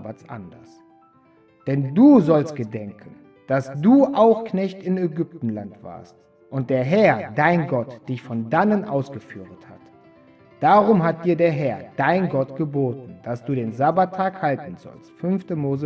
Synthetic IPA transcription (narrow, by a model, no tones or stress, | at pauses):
bat͡sʔa̰ndɐ̰s | d̥ɛnduːzɔlst̚ɡ̥ədɛŋkʰən̩ | d̥asd̥uːʔaʊxknɛçtɪnɛɡʏp̚tn̩lantv̥a̰ːɐst | ʔʊnt̚d̥eːɐɦɛɐdaɪnɡɔtd̥ɪçfɔndanənʔa̰ʊsɡ̥əfy̰ːʁətha̰t | d̥aːʁʊmɦat̚d̥iːɐdeːɐɦɛɐd̥aɪnɡɔtɡ̥əboːtn̩d̥asd̥uːɾeːnzabatʰːaːkhaltn̩zɔ̰lstfʏnftəmoːzə